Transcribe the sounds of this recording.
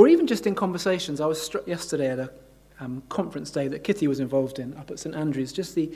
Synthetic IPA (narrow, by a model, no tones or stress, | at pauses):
əɹiːvə̃nd͡ʒʌstɨ̃nkʰɒ̃ɱvəseɪʃə̃nzaɪwʌz̥stɹ̥ʌʔjɛstəɾeɪəɾə | kʰɒ̃ɱfɹə̃nsd̥eɪðɨʔ̚kʰɪtʰiwɒzɪ̃ɱvɒlˠvdɪ̃nʌpətsẽɪ̃ntæ̃ndɹʉzd͡ʒʌsði